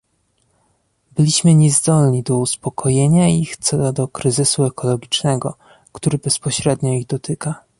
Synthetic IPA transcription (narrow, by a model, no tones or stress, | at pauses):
bɘlʲiɕmɘɲɛzd̪ɔlɲid̪ɔuspɔkʰɔjeɲaixt̪sɔd̪ɔkɾɘzɘsuɛkɔlɔɡʲit͡ʂnɛɡɔ̰ | kt̪uɾɘbɛspɔɕɾɛd̪ɲɔiɣd̪ɔt̪ɘka